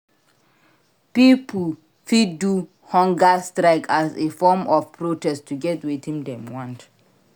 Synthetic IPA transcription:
pipul | fid̚du | hɔ̃ŋɡastɹaɪkʰasefɔmɔfpɹotɛstʰːuɡɛtwitĩmdɛ̃mwɔ̃nt

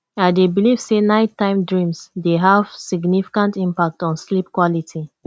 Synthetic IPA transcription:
aɪdebiliv̥senaɪtːãɪ̃mdɹĩmsdeɦav̥siɡnifi̥kãntĩmpak̚tɔ̃nslip̚kwɔlitʰi

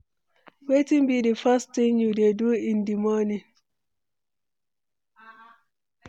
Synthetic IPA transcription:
wetimbidifastːiŋjudeduindimɔni

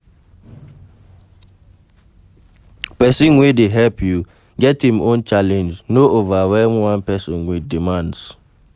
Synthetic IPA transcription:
pɛsĩnwedeɦɛlpʰju | ɡɛthĩmõnt͡ʃalɛ̃nd͡ʒnoʔovawɛlmwãnpɛsɔ̃nwidimãnds

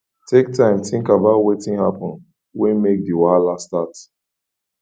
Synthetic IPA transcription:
tʰek̚tʰãɪ̃mθɪ̃ŋkabaʊtwetĩŋhapɔ̃n | wɛ̃nmek̚diwaalastat

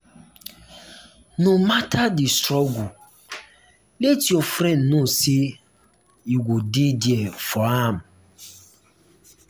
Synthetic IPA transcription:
nomatʰadɪstɾɔɡu | letiofɾɛ̃nnũse | iɡʷodidiɛfɔam̩

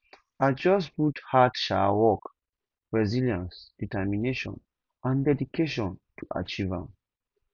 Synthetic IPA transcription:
ad͡ʒɔs̬buthatʃawɔk | ɹɛziljãnsd̥itɛmineʃɔ̰̃n | ãndɛdikʰeʃɔ̃ntʰuʔa̰t͡ʃivã̰m

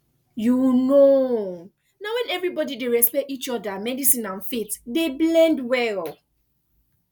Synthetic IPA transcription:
juno | nawɛ̃nɛvɹibɔdideɹɛspɛtit͡ʃɔdamɛdisĩnãnfetdeblɛ̃ndwɛl

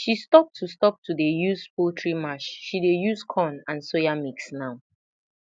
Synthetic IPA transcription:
ʃistɔp̚tʰːustɔp̚tʰudejuspʰotʰɹimaʃʃidejuskʰɔ̃nãnsojamiksnaʊ

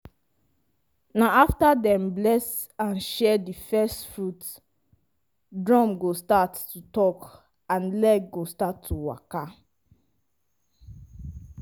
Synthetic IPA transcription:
naaftadɛ̃mblɛs | ãnʃɛdifɛstfɹut | dɹɔ̃mɡostatːutɔk | ãnlɛɡ̚ɡostatʰːuwa̰ka

